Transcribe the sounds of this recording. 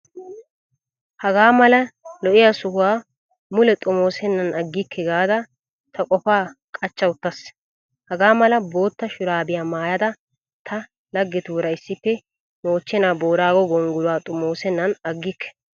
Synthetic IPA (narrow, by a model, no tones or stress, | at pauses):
hɐɡaːmɐlɐlɔʔɪjasʊhʊwaː | mʊlɛt̪ʼʊmo̞ːsɛnːɐnɐɡːɪkʰːɛɡaːd̪ɐ | t̪ʰɐkʼɔfaːkʼɐt͡ʃːɐwʊt̪ːɐs | hɐɡaːmɐlɐbo̞ːt̪ːɐʃʊɾaːbɪjaːmaːjɐd̪ɐ | t̪ʰɐ | lɐɡːɛt̪uːɾɐɪsːɪpːɛ | noːt͡ʃːɛnaːboːɾaːɡɔɡɔŋɡʊlʊwaːt̪ʼʊmo̞ːsɛnːɐnɐɡːɪkːɛ̥